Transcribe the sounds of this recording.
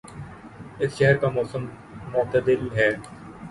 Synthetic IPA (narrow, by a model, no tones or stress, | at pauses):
ɪsʃɛɦəɾkamɔːsəmː | ʊːt̪əd̪ɪlɦɛː